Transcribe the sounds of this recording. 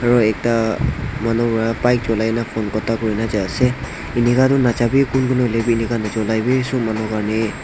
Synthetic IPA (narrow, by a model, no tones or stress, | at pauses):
aɹɔɛk̚tamanɔpɔɹapajk̚zɔlajnapʰɔnkɔtakoɹinazaasɛ | inikatʊnazabikʊnkʰunɔlebiinikanazɔlajbisʊmanɔkaɹnɛ